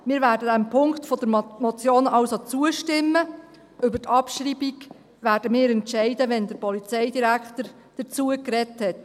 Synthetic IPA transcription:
mɪːɾvæːɾdədæmpʰʊŋktfɔd̥̪əɾmɔt͡sjoːnɑwsot͡suəʃtɪmːə | ʏbətʰɑpʃɾibiɡ | ʋæːɾd̥əmɪːɾɛntʃɛɪdəʋɛnd̪əɾpɔlit͡sɛɪdiɾækχt̪əɾ | d̥ət͡suəkɾɛthɛt

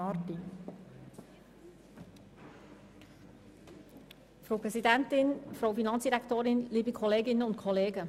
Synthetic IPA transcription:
ɑti | fɾowpɾɛsidæntɪnfɾowfinɑnt͡ssd̥iɾæktoːɾɪnliːbikʰɔleːɡɪnːəʊntkʰɔleːɡə

